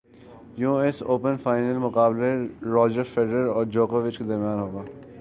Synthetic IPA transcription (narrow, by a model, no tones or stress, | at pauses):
jũɪsoːpənfaːɪnəlmʊkaːbleɾɔːd͡ʒəɾfeɖəɾɔːɾd͡ʒoːkoʋɪt͡ʃked̪ɐɾmijaːnɦoːɡaː